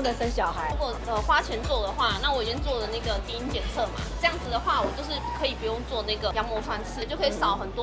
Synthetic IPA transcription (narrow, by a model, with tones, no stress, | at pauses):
d̪ə˨sə˧˥nɕ̬jɑ˨˩ʊxa˧˥ɪu˧˥kwɔ˨˩ə˧xwa˥t͡ɕʰjɛ˧˥nt͡swɔ˥˩d̪ə˩xwa˥˩na˥˩wɔ˨˦˩i˨˩t͡ɕi˥ŋnt͡swɔ˥˩d̪ə˩na˥˩ɡə˩t̪i˥i˥nt͡ɕjɛ˨˩nt͡sʰɤ˥˩ma̰˨ʈ͡ʂɤ˥˧jɑ˥˩ŋd͡zɹ̩˩d̪ə˩xwa˥˩wɔ˨˩t͡ɕjo˥˧ʊʂɻ̩˥˩kʰɤ˧˥i˨˩pu˧˥jʊ˥˧ŋt͡swɔ˥˧na˥˩ɡə˩jɑ˧˥ŋmɔ˧˥fwa˥˧nt͡sʰɹ̩˥˩t͡ɕjo˥˩ʊkʰsɑ˨˩ʊxə˨˩nt̪wɔ˥